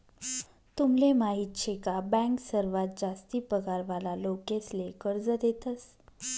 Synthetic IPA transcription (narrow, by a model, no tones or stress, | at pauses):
t̪umlemaɦit̪ɕʰekabɛ̃ŋksəɾʋat̪̚d͡zast̪iːpəɡaɾʋalalokeslekəɾd͡zəd̪et̪əs